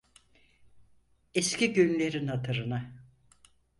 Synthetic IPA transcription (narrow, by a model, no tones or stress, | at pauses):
escʰiɟynlʲe̞ɾinhat̪ʰɯɾɯna